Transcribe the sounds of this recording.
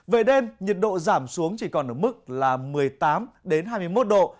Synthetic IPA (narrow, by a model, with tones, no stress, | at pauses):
ve˨˩ɗe˧mɲi˨˩t̚ɗo̰˧˨zaː˧˩msu˨˦əŋt͡ɕi˧˩kɔ˨˩nʔəː˧˩mɨ˦˥k̚laː˨˩mɨ˨˩əjt̪aː˨˦mɗe˨˦nɦaː˧jmɨ˧əjmo˦˥t̚ɗo̰˧˨